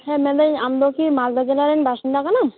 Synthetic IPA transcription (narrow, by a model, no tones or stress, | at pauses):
hɛmɛd̪ajamd̪okimald̪ad͡ʒelaɾenbaʃind̪akanam